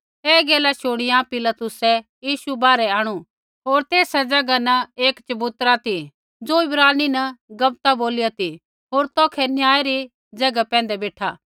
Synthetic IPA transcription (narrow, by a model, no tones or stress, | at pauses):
eːɡeːlaʃʊɽ̃ɪjãpɪlat̪ʊsɛjiːʃubaːɾɛaːɽ̃u | ɦoːɾt̪eːsɛd͡ʒɐɡanɐeːkt͡ʃɐbut̪ɾat̪i | d͡zoːɪbɾaːninɐɡɐb̚t̪aboːlɪjat̪i | ɦoːɾt̪ɔːkʰɛnjaːeɾi | d͡ʒɐɡapɛ̃ːn̆d̪ɛbeːʈʰa̰ː